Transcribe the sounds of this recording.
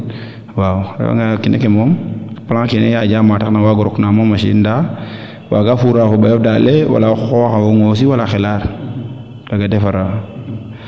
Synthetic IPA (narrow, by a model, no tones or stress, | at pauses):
waw̰wa̰ŋɡakinʔekemɔmplãkinejaɟaːmataknawaɡɔɾɔknamomːaʃḭːnda | wa̰ɡafuɾakobajɔfdalewa̰laxɔxawoŋos̬iwalaxelaɾ | daɡadefaɾa